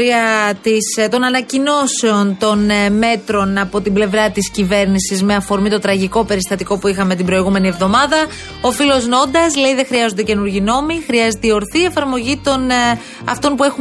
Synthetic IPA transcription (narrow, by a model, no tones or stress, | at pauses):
ɾiɐt̪ist̪o̞nɐnɐcino̞se̞o̞nt̪o̞nme̞t̪ɾo̞nɐpo̞t̪ible̞vɾɐt̪iscive̞ɾnisizme̞ɐfo̞ɾmit̪o̞t̪ɾɐʝiko̞pe̞ɾist̪ɐt̪iko̞puixɐme̞t̪ibɾoiɣume̞nie̞vðo̞mɐðɐ | o̞filo̞zno̞nd̪ɐsle̞iðe̞xɾiɐzond̪ece̞nuɾʝino̞mixɾiɐze̞t̪eio̞ɾθiːe̞fɐɾmo̞ʝit̪o̞n | ɐ̰ft̪o̞npue̞xu